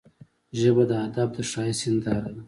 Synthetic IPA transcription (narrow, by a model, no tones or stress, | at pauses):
ʒəbad̪əad̪ab̚d̪əʂɑjisɪnd̪aɾad̪a